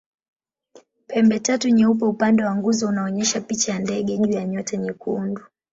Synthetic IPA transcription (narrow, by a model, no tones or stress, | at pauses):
pɛmbɛtatuɲɛup̬ɛupandɛwaŋɡuzɔunaɔɲɛʃapit͡ʃajandɛɠɛʄujaɲɔtaɲɛkundu